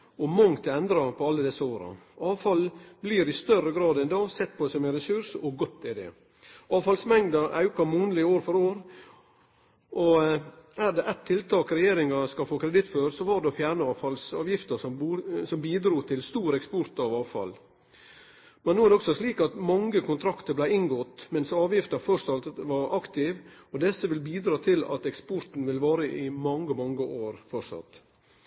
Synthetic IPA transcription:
ɔmɑŋt̪ʰɛnd̪ɾɑpʰɔɑlːəd̪ɛsːəoːɾə̰ɑːʋfɑlbliːɾɪst̪œɾːəɡɾɑːd̪ɛnd̪ɑːsɛt̪̚ːpʰɔd̪ɛsɔmæɪnɾɛsʉɾʂɔɡɔt̪ːɪd̪ɛ̰ | ɑːʋfɑlsmɛŋd̪ɑʔɑ̰ʉkɑmuːnəlɪoːɾfɔɾoːɾ | ʔɔ | æɾd̪ɛʔɛt̪ʰːɪlt̪ʰɑːkɾɛjeːɾɪŋɑskɑfoːkʰɾɛd̪ɪt̪ːføːɾsɔʋɑɖ̪ɛɔfjæːɾɳəɑːʋfɑlsɑːʋjɪft̪əsɔmːsɔmbiːd̪ɾuːt̪ʰɪlst̪uːɾɛkspɔɾt̪ɑʋɑːʋfɑ̰l | mɛnːuːæɾd̪ɛɔksɔsliːkɑt̪mɑŋːəkʰʊnt̪ʰɾɑkt̪əblæɪɪnɡɔt̪ːmɛnsɑːʋjɪft̪əɾfœɾsɑlt̪ʋɑɾɑkt̪ɪʋɔd̪ɛsːəʋɪlbiːd̪ɾɑːt̪ʰɪlɑ̰t̪ɛkspɔɾt̪n̩ʋɪlʋɑːɾəʔɪmɑŋːəmɑŋːəʔoːɾfɔʂɑ̰t̪

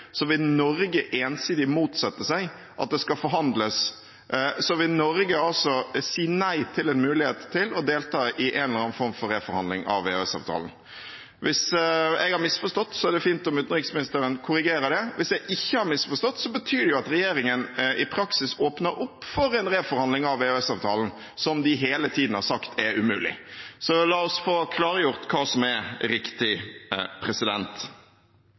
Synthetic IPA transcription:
sɔʋɪlnɔɾɡəʔeːnsiːd̪ɪmuːt̪sɛt̪ːəsæɪ | ʔɑ̰t̪̚d̪ɛskɑfɔɾɦɑnd̪ləs | sɔʋɪlnɔɾɡəɑlsɔsiːnæɪt̪ʰɪlɛnmʉːlɪheːt̪ʰːɪlɔd̪eːlt̪ʰɑːʔɪʔɛnləɾɑːnfɔɾmfɔɾeːfɔɾhɑnɪŋɑ̰ʋːḛːhøɛsɑ̰ːʋt̪ʰɑ̰ːln̩ | ʋʔɪsɛ̰ɡhɑɾmɪsfɔʂt̪ɔt̪ːsɔæɾd̪ɛfiːnt̪ɔmʉːt̪n̩ɾɪksmɪnɪst̪əɾənkʰʊɾɪɡeːɾəd̪ɛʋɪsjɛɡɪçːəhɑɾmɪsfɔst̪ɔt̪ːsɔbət̪ʰyːd̪ɛjʊɑt̪ɾɛjeːɾɪŋənɪpʰɾɑksɪsoːpnəɾʊpːfɔɾɛnɾeːfɔɾhɑnd̪lɪŋɑʋeːøɛsɑːʋt̪ʰɑːln̩ | sɔmd̪ɪɦeːlət̪ʰiːd̪n̩hɑɾsɑkt̪ʰɛʉmʉ̰ːlɪ̰sɔlɑːɔsfoːkʰlɑːɾəjʊɾt̪kʰɑːsɔmɛɾɪkt̪ɪpʰɾɛsɪd̪ɛnt̪

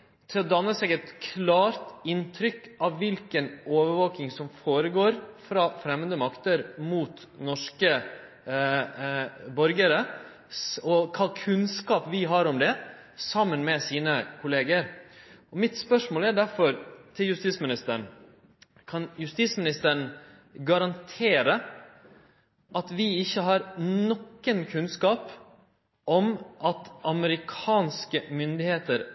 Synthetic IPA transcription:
t̪ʰɪlɔd̪ɑnːəsɛːɡɛt̪kʰlɑːɾt̪ɪnt̪ʰɾʏkːɑʋːɪlkənoːʋəɾʋoːknɪŋsɔmfoːɾəɡoːɾfɾɑːfɾɛmːənd̪əmɑkt̪əɾmuːt̪ | nɔʂkə | bɔɾɡəɾə | ɔkʰɑːkʰʉnskɑːpʋɪɦɑɾɔmd̪ɛ | sɑmːənmɛsiːnəkʰʊleːɡəɾɔmɪt̪spœʂmoːlæɖæɾfɔɾt̪ʰɪljʉst̪iːsmɪnɪst̪əɳ̩ | kʰɑnjʉst̪iːsmɪnɪst̪əɳ̩ | ɡɑɾɑnt̪ʰeːɾə | ʔɑt̪ʋɪɪçːəɦɑɾnɔkːənkʰʉnskɑːp | ʔɔmʔɑt̪ɑməɾɪkʰɑːnskəmʏnd̪ɪheːt̪əɾ

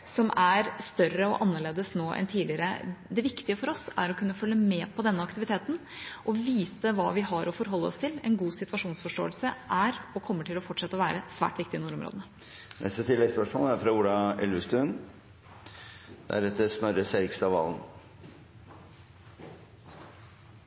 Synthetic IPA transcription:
sɔmʔæɾst̪œɾəɔ̰ʔɑnːəɭeːd̪əsnoːʔɛ̰nt̪ʰiːdlɪəɾə̰d̪ɛʋɪkt̪ɪəfɔɾɔsæ̰ɾɔkʰʉnːəfœlːəmɛːpʰɔd̪ɛnːəɑkt̪ɪʋɪt̪ʰeːt̪n̩ʔɔʋiːt̪əʋɑ̰ːʋɪhɑɾɔfɔɾɦɔlːəɔ̰st̪ʰɪlɛnɡuːsɪt̪ʋɑʂuːnsfɔʂʈo̰ːəlsəʔæɾɔkʰɔmːəʈʰɪlɔfɔʈʂɛt̪ːəɔʋæːɾəsʋæ̰ːʈʋɪk̚t̪ɪnuːɾɔmɾo̰ːd̪əə | nʔɛ̰st̪ət̪ʰɪlːɛɡspœʂmo̰ːləæɾfɾɑʊlɑɛlʉst̪ʉn | d̪̥æ̰ɾɛt̪ːəsnɑɾəseɾɪkst̪ɑʋɑ̰ːln

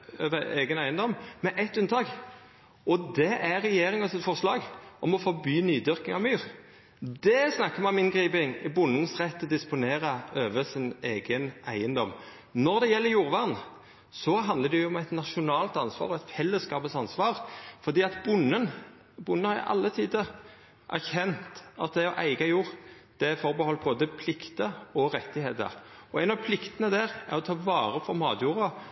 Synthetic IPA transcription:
øːʋəeːɡənæɪənd̪ɔmmɛʔɛt̪ːʉnt̪ʰɑːɡ | ɔd̪ɛʔæɾɛjeːɾɪŋənsɛt̪fɔʁslɑːɡʔɔmɔfɔbyːnyːd̪ʏɾkɪŋɑʋmyːɾ | d̪ɛsnɑkːəmɛʊmɪnɡʁiːpɪŋbʊnːənsʁɛt̪ʰːd̪ɪspʊneːɾəøːʋəsɪneːɡənæɪənd̪ɔm | nɔʁd̪ɛjɛlːəjuːʁʋɑʁn̩ | sɔɦɑnd̪ləd̪ɛjʊɔmæɪt̪nɑʃʊnɑːlt̪ɑnsʋɑ̰ːʁɔɛɪt̪fɛlːəskɑːpəsɑnsʋɑːʁfɔʁd̪iːɑt̪bʊnːən | bʊnːənhɑɾ̰ʔɑ̰lːət̪ʰiːd̪ə | ʔæʁçɛnt̪ɑt̪̚d̪ɛɔʔæɪɡɑjuːʁd̪̥ɛfɔɾbəhɔlːboːd̪əpʰlɪkt̪əɔɾɛt̪ːɪheːt̪ə̰ɾɔæɪnɑʋpʰlɪkt̪ənəd̪æʁæ̰ɾɔt̪ʰɑːʋɑːʁəfɔʁmɑ̰ːd̪juːɾɑ

